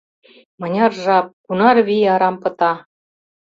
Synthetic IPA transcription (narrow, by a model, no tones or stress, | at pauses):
mɤ̆nʲɑrʒɑp̚kunɑrβiɑɾɑmpɤ̆t̪ɑ